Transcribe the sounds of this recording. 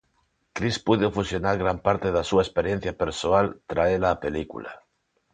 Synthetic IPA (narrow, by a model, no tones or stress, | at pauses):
kɾispuðofusjonaɾɣɾampaɾt̪eðasuaespeɾjen̟θjapeɾsoalt̪ɾaelaːpelikṵla̰